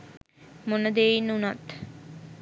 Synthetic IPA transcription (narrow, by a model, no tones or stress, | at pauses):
monəd̪eːjinːunat̪